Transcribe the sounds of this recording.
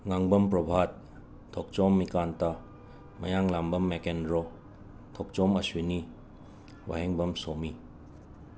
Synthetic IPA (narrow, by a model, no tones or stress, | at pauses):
ŋaŋbɐmpɾɔbʱat̚ʰː | ɔk̚t͡ʃɔmːikanta | mɐjaŋlambɐmːekenɾɔ | tʰɔk̚t͡ʃɔmɐswini | wa̰ɦeŋbɐmsomi